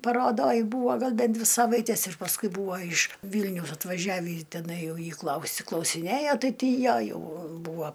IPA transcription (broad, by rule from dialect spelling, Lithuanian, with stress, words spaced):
pɐroːˈdoːj ˈbuːʋɐ ˈɡɐlˠ ˈbʲɛn ˈdʲʋʲɪ ˈsɑːʋɐɪtʲɛs ɪr pɐsˈkʊɪ ˈbuːʋɐ ɪʃ ˈʋʲiːlʲnʲɛʊs ɐtʋɐˈʒʲæːʋʲiː tʲɛˈnɐɪ ˈjɛʊ jiː ˈklˠɐʊsʲɪ klˠɐʊsʲɪˈnʲeːjoː ˈtɐɪ ˈtʲiː ˈjæː ˈjɛʊ ˈbuːʋɐ